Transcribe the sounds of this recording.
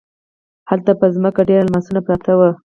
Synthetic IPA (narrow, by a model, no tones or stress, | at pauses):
halt̪apəzməkaɖeɾalmasunapɾɑt̪awə